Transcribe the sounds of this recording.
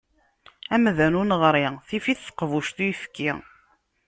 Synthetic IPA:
æmðænunʁɾiθifiθːə̥qːvuʃt̪ujfkːi

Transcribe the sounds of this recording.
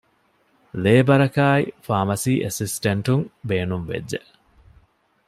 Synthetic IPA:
leːbɐɾɐkaːifaːmɐsiːʔesisʈɐɳʈuŋbeːnumʋḛdːeʔ

